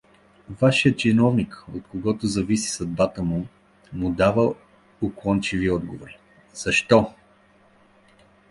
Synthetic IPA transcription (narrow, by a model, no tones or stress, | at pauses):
vaʃijət͡ʃɛnɔvnikot̪̚koɡɔt̪ʊzɐvisi̥sɐd̪̚bat̪əmʊ | mʊd̪avə | oklˠɔnt͡ʃiviɔd̪ɡovoɾi | z̥ɐʃt̪ɔ